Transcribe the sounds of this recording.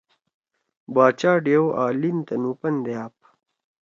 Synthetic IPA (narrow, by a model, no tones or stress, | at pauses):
baːt͡ɕaːɖewʔaːlint̪ɐnupɐnd̪eaːp̚